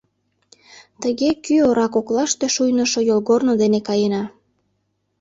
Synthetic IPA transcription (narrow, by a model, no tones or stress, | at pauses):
t̪əɣekyoɾɑkoklɑʃt̪eʃujnə̆ʃojolɣornod̪enekɑjenɑ